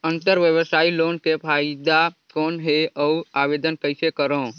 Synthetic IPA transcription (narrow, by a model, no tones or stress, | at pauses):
ə̃nt̪əɾʋjəʋsaːiloːnkepʰaːɪd̪akɔːnɦeɔuaːʋeːd̪ənkəɪsekəɾõː